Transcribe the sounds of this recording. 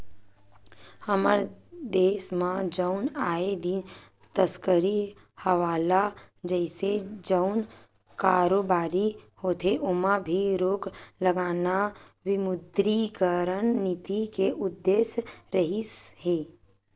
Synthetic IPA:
həməɾd̪eːsmãd͡ʒəʊnaːed̪i | t̪əskəɾi | həʋaːlad͡ʒɛɪsed͡ʒəʊn | kaːɾoːbaːɾihoːt̪ʰeʔʊmãbʱiɾoːkləɡaːna | wɪmʊd̪ɾikəɾənːit̪ikeʔʊd̪ːeːʃɾəɦisɦeː

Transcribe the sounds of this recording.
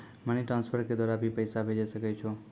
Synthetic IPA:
məniʈɾanspʰəɾked̪waɾabʱipəjsabʱed͡ʒesəket͡ʃʰu

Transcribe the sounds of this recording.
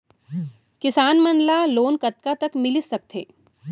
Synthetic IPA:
kɪsaːnmənlaloːnkɐt̪̚kat̪ɐkmɪlɪsɐk̚t̪ʰḛː

